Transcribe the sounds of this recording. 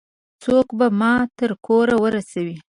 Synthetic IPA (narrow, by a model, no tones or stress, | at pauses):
t͡sokbamɑt̪əɾkoɾawəɾasawi